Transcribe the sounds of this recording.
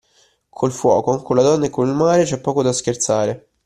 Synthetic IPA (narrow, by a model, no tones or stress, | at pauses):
kʰolfwɔ̰ːkoaŋkolad̪ɔnːaekonilmaːɾet͡ʃɛpːɔːkod̪askert̪saːɾe